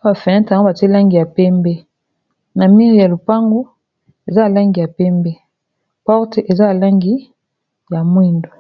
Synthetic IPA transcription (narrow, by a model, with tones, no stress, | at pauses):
a˨fɛ˨ɛ̃˦ta˨˦ɡo˦ba˨te˦la˦ŋɡi˨ja˨pɛ˦mbɛ˦ | na˨mi˦ʁja˨lo˨pa˦ŋɡo˦ | e˨za˦a˨la˦ŋɡi˨ja˨pɛ˦mbɛ˦ | pɔ˦ʁte˨ʔe˨za˦ja˨la˦ŋɡi˦ | ja˨mwi˦ndo˨